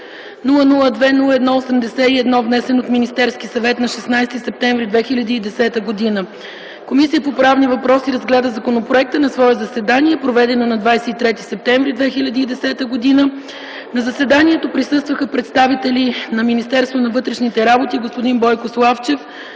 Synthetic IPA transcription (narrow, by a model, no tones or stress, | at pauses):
nulˠənulˠəd̪vɛnulˠəɛd̪nɔosɛmd̪ɛsɛiɛd̪nɔvnɛsɛnot̪minist̪ɛɾskisɐvɛt̪nɐʃɛsnajst̪isɛp̚t̪ɛɱvɾid̪vɛxilʲɐd̪iːd̪ɛsɛt̪əɡod̪inə | komisijəpopɾavnivɐpɾɔsiɾəzɡlʲɛd̪əzɐkonopɾoɛk̚t̪ənɐsvɔɛzɐsɛd̪aniɛpɾovɛd̪ɛnonɐd̪vajsɛit̪ɾɛt̪isɛp̚t̪ɛɱvɾid̪vɛxilʲɐd̪iːd̪ɛsɛt̪əɡod̪inə | nɐzɐsɛd̪aniɛt̪opɾisɤst̪vəxəpɾɛt̪st̪avit̪ɛlʲinɐminist̪ɛɾst̪vonɐvɤt̪ɾɛʃnit̪ɛɾabot̪iɡospod̪inbɔjkoslˠaft͡ʃɛf